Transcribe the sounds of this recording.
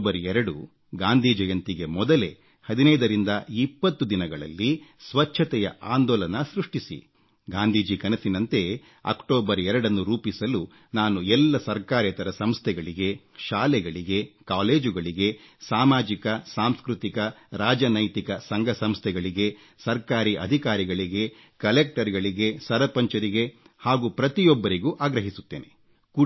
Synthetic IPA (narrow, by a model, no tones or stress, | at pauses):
bɐɾɛɾɐɽu | ɡaːnd̪ʱiːd͡ʒɐjɐnt̪iɡe̞mɔd̪ɐle̞ | hɐd̪inɐjd̪ɐɾind̪ɐipːɐt̪ːud̪inɐɡɐɭɐ̰lːisʋɐt͡ʃːʰɐt̪ɛjɐ̰ʔaːnd̪ɔːlɐnɐsɾuʂʈisḭ | ɡaːnd̪ʱiːd͡ʒikɐnɐsinɐnt̪e̞ | ɐ̰kʈoːbɐɾɛɾɐɽɐnːuɾuːpisɐlu | naːnuɛlːɐsɐɾkaːɾjɐt̪ɐɾɐsɐmst̪ʰɛɡɐɭiɡe | ʃaːlɛɡɐɭiɡe̞kaːle̞ːd͡ʒuɡɐɭiɡe̞saːmaːd͡ʒikɐsaːmskɾut̪ikɐɾaːd͡ʒɐnɐjt̪ikɐsɐŋɡʱɐsɐmst̪ʰɛɡɐɭiɡe̞ | sɐɾkaːɾiʔɐ̰d̪ʱikaːɾiɡɐɭiɡe̞ | kɐlek̚ʈɐɾɡɐɭiɡe̞sɐɾɐpɐɲt͡ʃɐɾiɡe̞ | haːɡuːpɾɐt̪ijɔbːɐɾiɡuːʔaːɡɾɐɦisu̥t̪ːḛːne̞ | ku